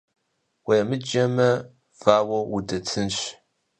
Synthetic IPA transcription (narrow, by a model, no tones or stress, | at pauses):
wɐjɐmɨd͡ʒɐmɐ | v̥aːwɐudɐt͡sʰɨnɕ